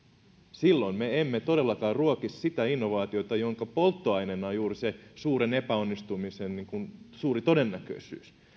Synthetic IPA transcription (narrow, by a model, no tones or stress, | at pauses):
silːo̞nmeemːet̪o̞de̞lːɑkɑːrruokissit̪æinːo̞ʋɑːt̪iot̪ɑjo̞ŋkɑpolt̪ːoɑjnenːɑjuːrisesuːɾene̞pæo̞nːist̪umisenniŋkunsuːɾit̪o̞de̞nːækø̰isy̰ːs